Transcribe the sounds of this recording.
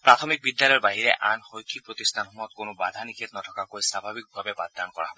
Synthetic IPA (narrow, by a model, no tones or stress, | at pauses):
pɹat̪ʰɔmik̚bid̪ːjalɔɛɹbaɦiɹɛ̰ʔanxojkʰik̚pɹot̪ist̪ʰanɦumɔɔt̪̚konobad̪ʱanikʰit̪nɔtʰɔkakojsabʱabik̚bʱabɛbad̪ːankɔɹa̰ɦɔbɔ